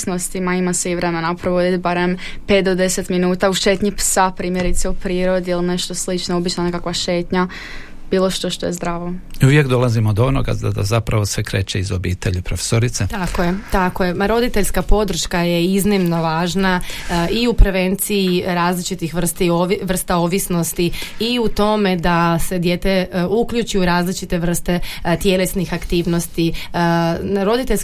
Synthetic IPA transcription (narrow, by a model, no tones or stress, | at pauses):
snost̪imaimaseiʋɾemenapɾoʋod̪it̪baɾem | pet̪̚d̪od̪eset̪minuːt̪auʃeːt̪ɲipsapɾiːmjeɾit̪seupɾiːɾod̪iilˠneʃt̪o̞slit͡ʃnoobit͡ʃnanekakʋaʃeːt̪ɲa | b̥iːlˠo̞ʃt̪o̞ʃt̪o̞jezd̪ɾaːʋouʋjekd̪o̞lˠazimod̪oo̞no̰ɡa̰ad̪a̰zapɾaʋo̞sʋe̞kɾeːt͡ʃeizobiːt̪eʎipɾofe̥soɾit̪set̪akojet̪akojeaɾo̞d̪it̪eʎʲskapo̞d̪ɾ̩ʃkaje̞iznimno̞ʋaːʒnaʔiupɾe̞ʋe̞nt̪siiɾaːzlit͡ʃit̪ixʋr̩st̪ioʋr̩st̪aoʋisno̞st̪iiut̪o̞me̞d̪ase̞d̪je̞t̪e̞ukʎut͡ʃujuɾaːzlit͡ʃit̪e̞ʋr̩st̪e̞t̪je̞le̞snixakt̪iːʋno̞st̪i | nɾo̞d̪it̪eʎs